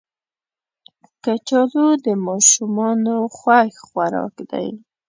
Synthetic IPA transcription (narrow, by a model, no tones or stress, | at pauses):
kat͡ʃɑlod̪əmɑʃumɑnoxwaxxwaɾɑ̰kd̪a̰j